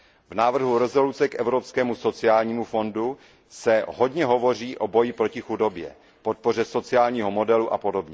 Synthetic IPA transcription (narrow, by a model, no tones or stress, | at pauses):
vnaːvr̩ɦuɾɛzo̞lut͡sɛkʔɛvɾopskɛːmuso̞t͡sɪaːlɲiːmufo̞ndu | sɛɦo̞dɲɛɦo̞vo̞r̝iːʔo̞bo̞jɪpɾo̞cɪxudo̞bjɛ̰ | po̞t̪̚po̞rɛso̞t͡sɪaːlɲiːɦomo̞dɛluʔapo̞do̞bɲɛ